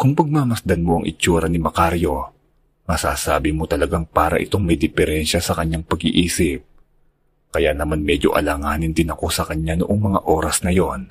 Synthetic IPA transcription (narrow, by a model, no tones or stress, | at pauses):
kʊŋpɐɡ̚mamɐsd̪ɐnmo̞ʔɐŋʔɪt͡ʃuːɾɐnɪmɐkaɾjo̞ | mɐsa̰ːsaːbɪmo̞t̪ɐlɐɡaŋpaːɾɐ̰ʔɪ̰t̪o̞ŋmɐjd̪ɪfɛɾɛnʃɐsɐkɐɲːaŋpɐɡɪʔiːsɪp̚ | kɐjaʔnɐmanmɛd͡ʒo̞̰ʔɐ̰laːŋaːnɪnd̪ɪnɐko̞sɐkɐɲjanʊʔoŋmɐŋa̰ʔo̞ːɾɐsnɐjo̞n